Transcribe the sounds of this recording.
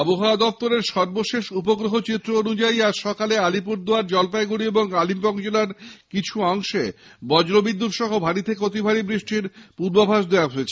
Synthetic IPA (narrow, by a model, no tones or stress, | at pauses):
ɔboɦaad̪ɔft̪oɾeɾʃɔɾboʃeʃupoɡɾoɦot͡ɕit̪ːɾoonud͡ʑaiaɾʃɔkalealipuɾd̪oaɾd͡ʑɔlpajɡuɽieboŋalimpɔɡd͡ʑolaɾkit͡ɕʰuɔŋʃebɔd͡ʑɾobid̪ːut̪ʃɔɦobʱaɽit̪ʰekeot̪ibʱaɾibɾiʃʈiɾpuɾbabʱaʃd̪eaɦoet͡ɕʰe̥